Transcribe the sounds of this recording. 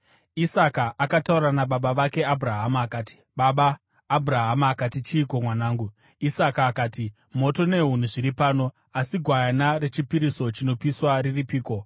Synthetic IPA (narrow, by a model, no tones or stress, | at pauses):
isakaʔːkatauɾanaɓaɓaʋake̞abʱuɾaɦamaːkaːti̥ | ɓaɓaː | bʱuɾaɦamaːkatit͡ʃiːkomwanaːŋɡu | isakaːkaːti | mo̞to̞ne̞ɦun̤uʐiɾipaːno̞ | asiɡʱwajanaɾe̞t͡ʃipiɾiso̞t͡ʃino̞piswariripiːko̞